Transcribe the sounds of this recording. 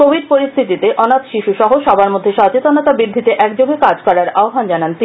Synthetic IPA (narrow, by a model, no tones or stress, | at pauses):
kobʱid̚poɾist̪ʰit̪it̪eʔɔnat̪ʃiʃuʃɔɦoʃɔbaɾmod̪ʱːeʃɔt͡ɕet̪onot̪abɾid̪ʱːit̪eʔɛkd͡ʑoɡekad͡ʑkɔɾaɾaoɦand͡ʑanant̪i